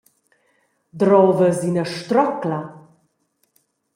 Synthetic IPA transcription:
d̪rɔːvəzinəʂt̪rɔkla

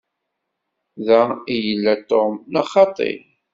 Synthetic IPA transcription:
ðæijəlːæt̪omnɑχɑt̪ˤɪ̰

